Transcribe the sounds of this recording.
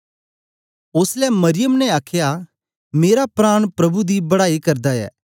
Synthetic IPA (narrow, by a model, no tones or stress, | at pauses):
ʊslɛmɐɾɪjəmnɛaːkʰja | meːɾapɾaːɽ̃pɾɐbud̪ibɐɽaːikɐɾd̪aɛ̰ː